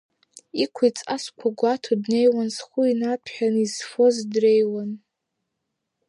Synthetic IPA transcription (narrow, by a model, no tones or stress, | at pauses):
ikʷʰait͡sʼaskʷʰaɡʷatʰodne̞jwansχʷuinatʰħᶣanizfo̞zdrejwan